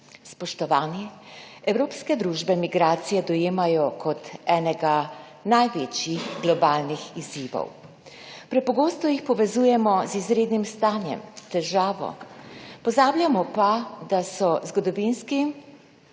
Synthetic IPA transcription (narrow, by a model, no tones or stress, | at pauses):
spɔʃt̪ɔʋaːnjɛ | ɛwɾoːpskɛd̪ɾuːʒbɛmiɡɾaːt̪sijɛd̪ɔjeːmajɔkʰɔt̪ɛːnɛɡa | najʋeːt͡ʃjixɡlɔbaːlnixiziːʋɔ̰w | pɾɛpɔɡoːst̪ɔjixpɔʋɛzuːjɛmɔzizɾeːd̪nimst̪aːnjɛ̰mt̪ɛʒaːʋɔ̰pɔzaːbljʲamɔpad̪asɔzɡɔd̪ɔʋinski